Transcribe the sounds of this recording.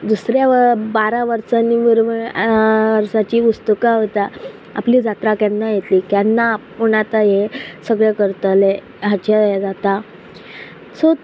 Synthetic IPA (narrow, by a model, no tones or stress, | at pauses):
d̪usɾjabaɾaʋəɾsaniʋəɾʋ | ʋəɾsat͡ɕiːust̪ukaɦot̪a | a̰pliːd͡zat̪ɾakjanːajet̪liːkjanːapuɳat̪aɦesəɡɭekəɾt̪əle | ɦat͡ɕad͡zat̪a | so